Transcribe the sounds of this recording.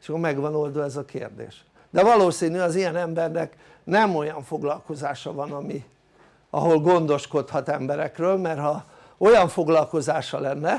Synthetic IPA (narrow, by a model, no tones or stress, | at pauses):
eʃkːormɛɡʋɒno̞ld̪oɛzɒkḛːrd̪ḛːʃ | d̪ɛvɒloːsiːnyɒzijɛnɛmbɛrnɛk | nɛmo̞jɒɱfo̞ɡlɒlko̞zaːʃɒvɒnɒmi | ɒɦo̞lɡo̞nd̪o̞ʃko̞t̪hɒt̪ɛmbɛɾɛkrøːlmɛrɦɒ | o̞jɒɱfo̞ɡlɒlko̞zaːʃɒlɛnːɛ